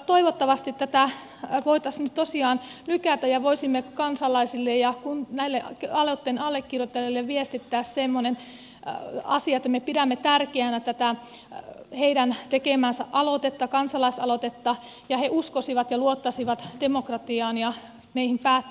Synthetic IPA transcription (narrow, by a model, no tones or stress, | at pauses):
t̪oiʋot̪ːɑʋɑst̪it̪t̪ːæt̪æ | ʋoit̪ɑsnyt̪tosiɑːnlykæt̪æjɑʋoisimːekɑnsɑlɑisilːejɑkunnæilːeʔkɑlot̪ːenɑlːekːirjot̪ːelːilːeʋʋiest̪it̪ːæːssemːonen | ɑ̰siɑet̪ːæmepiɾæmːet̪ærkeænæt̪æt̪æ | heiɾænt̪ekemæːnsæ̰ʔɑlot̪et̪ːɑkɑnsɑlɑisɑlot̪et̪ːɑ | jɑheʔuskosiʋɑt̪jɑluot̪ːɑsiʋɑt̪d̥emokrɑt̪iɑːnjɑ | meihimpæːt̪ː